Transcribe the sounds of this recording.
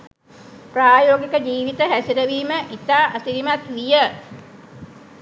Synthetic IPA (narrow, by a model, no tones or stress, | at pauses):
praːjoːɡikəd͡ʒiːʋit̪əɦæsiɾəʋiːməʔit̪aːʔəsiɾimat̪ʋijə